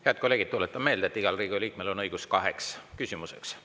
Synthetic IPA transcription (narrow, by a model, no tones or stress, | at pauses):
heɑt̪̚koleɡ̥id̪̚t̪ulet̪ːˑɑme̞ːld̪et̪ːiɡ̥ɑlriːɡ̥iliːk̚melo̞nɤjɡ̥uskɑɦekskysʲimuse̞̰ks